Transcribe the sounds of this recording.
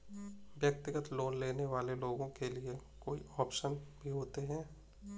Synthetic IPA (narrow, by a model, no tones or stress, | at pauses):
ʋjək̚t̪ɪɡət̪loːnleːneʋaːleloːɡõkeliekoːḭɔːpʃənbʱiɦoːt̪eɦɛ̃ː